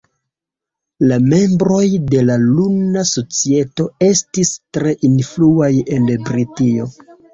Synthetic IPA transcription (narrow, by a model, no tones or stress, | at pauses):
lame̞mbɾo̞jde̞lalunaso̞t͡sie̞to̞e̞stistɾe̞ʔinfluaje̞nbɾitio̞